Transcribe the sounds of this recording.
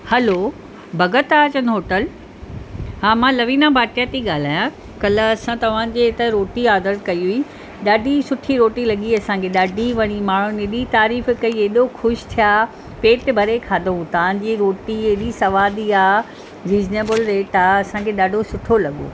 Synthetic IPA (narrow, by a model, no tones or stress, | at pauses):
hɐlo | bʱɐɡət̪aːt͡ɕɐnɦoːʈəl | ɦaːmãlɐʋiːnabʱaːʈijat̪iɠaːl̤aːjã | kɐlə̆ɐsãt̪ɐʋ̤ãːd͡ʑeɪt̪əɾoːʈiaːd̪əɾkɐiɦui | ɗaːɖʱisʊʈʰiɾoːʈilɐɠiɐsãkʰeɗaːɖʱiʋɐɽ̃imaːɳ̤ũneɗit̪aːɾiːfkɐieɗoxʰʊʃt̪ʰijaː | peːʈbʱɐɾekʰaːd̪oũt̪ɐãɲ̆d͡ʑiːɾoːʈieɗisɐʋaːd̪iaː | ɾiːzneːbəlɾeːʈaːɐsãkʰeɗaːɖʱosʊʈʰolɐɠo̰ː